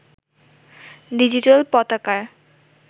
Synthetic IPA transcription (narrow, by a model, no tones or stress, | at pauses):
ɖid͡ʑiʈalpɔt̪akaɾ